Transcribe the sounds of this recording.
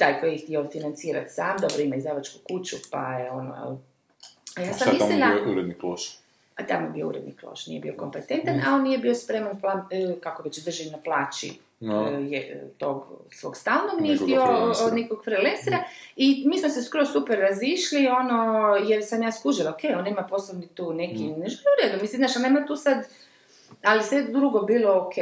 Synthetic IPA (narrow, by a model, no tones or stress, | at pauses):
t̪aːjkojxt̪iofinant̪siːɾa̰t̪saːmd̪o̞bɾoimaizd̪aʋat͡ʃkukut͡ɕupa̰jeono̰ | ajaːsammisllimd̪auɾed̪nikloʃ | at̪amojebio̰ṵɾed̪niklo̰ʃnḭjebḭokompet̪ent̪ana̰onːijebiospɾemanplankakoʋet͡ɕd̪r̩ʒiinaplˠaːt͡ɕḭ | jet̪oɡsʋo̰ɡst̪alnomnieiod̪nekoɡfɾilensiɾaimiːsmoseskɾosupeɾːaziʃlio̞nojeɾsamjaːskuʒilaokʰejonːemaposlˠobnit̪uːne̞kineʒelʲiuɾed̪umislimnaːʃanemat̪uːsad̪ | alisʋed̪ɾuɡobiːlookʰe